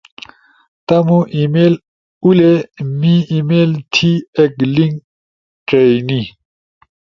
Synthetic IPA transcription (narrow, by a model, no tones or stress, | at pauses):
t̪ɐmũʔimel | ulemĩimeːlt̪ʰiekliŋɡ | ʈeini